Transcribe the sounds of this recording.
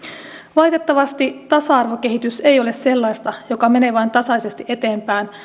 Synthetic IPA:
ʋɑjt̪et̪ːɑʋɑst̪it̪ɑsɑɑrʋo̞ke̞ɦit̪ysejo̞le̞sse̞lːɑjst̪ɑjo̞kɑme̞neʋɑjnt̪ɑsɑise̞st̪iʔet̪e̞ːmpæːn

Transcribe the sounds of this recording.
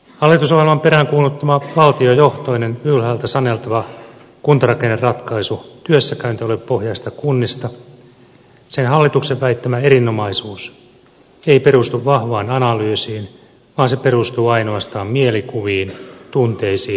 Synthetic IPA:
hɑlːit̪usoʋelmɑmpe̞ɾæŋkuːlːut̪ːɑmɑʋɑlt̪iojo̞ht̪o̞ine̞nʋylhæːlt̪æsɑne̞lt̪ɑʋɑ | kunt̪ɑrɑkenːerrɑt̪kɑisut̪yøsːækæynt̪iolepohjɑist̪ɑkunːist̪ɑ | senɦɑlːit̪ukseʋʋæit̪ːæmæeɾinːo̞mɑisuːs | eipe̞ɾust̪uʋʋɑhʋɑːnɑnɑlyːsiːn | ʋɑːnsepeɾust̪uːɑino̞ɑst̪ɑːmmielikuʋiːnt̪unt̪eisiː

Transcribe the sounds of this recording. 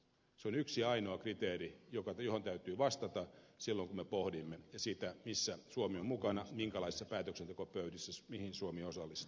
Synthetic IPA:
seonyksiɑinoɑkrit̪eːrijokɑjohont̪æyt̪yːʋɑst̪ɑt̪ɑsilːoŋkumepohdimːejɑsit̪æmisːæsuomiommukɑnɑmiŋkælɑisi̥sːɑpæːt̪øksent̪ekopøydisːæmihinsuomiosɑlːist̪

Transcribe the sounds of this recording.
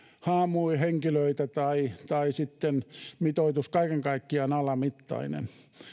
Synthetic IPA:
hɑːmuiheŋkiløit̪æt̪ɑit̪ɑisit̪ːenmit̪oit̪uskɑikeŋkɑikːiɑnɑlɑmit̪ːɑ̰inḛn

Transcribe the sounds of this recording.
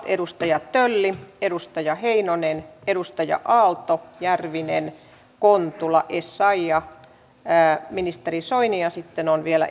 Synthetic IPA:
t̪edust̪ɑjɑt̪tølːiedust̪ɑjɑheinonenedust̪ɑjɑ̰ʔɑːlt̪ojærʋinḛn | kont̪ulɑʔesːɑijɑ | minist̪erisoiniɑsit̪ːenonʋielæ̰

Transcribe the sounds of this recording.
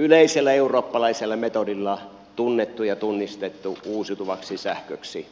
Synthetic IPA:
yleˑiselːæeuroːpːɑlɑˑiselːɑmet̪odilːɑ | t̪unːet̪ːujɑt̪unːist̪et̪ːuuːsjut̪uʋɑksisæhkø̰ksi

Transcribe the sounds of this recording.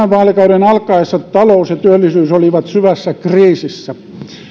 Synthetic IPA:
æʋʋɑːlikɑuɾenɑlkːˑɑesːɑt̪ɑloˑusjɑt̪yølːisyːsoliʋɑt̪syʋæsːækriːsisːæ

